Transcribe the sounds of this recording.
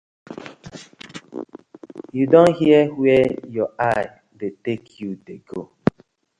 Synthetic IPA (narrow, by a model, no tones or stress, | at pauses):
judõnhiəwɛjɔaɪ | detekʰjudeɡo